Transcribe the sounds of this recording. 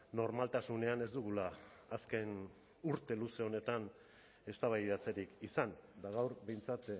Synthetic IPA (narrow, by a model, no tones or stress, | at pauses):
no̞ɾmalt̪asune̞ane̞zd̪uɣ̞ulaː | ske̞n | uɾt̪e̞luse̞o̞ne̞t̪an | e̞st̪aβajðat͡se̞ɾikisand̪aɣawɾbe̞jnt͡sat̪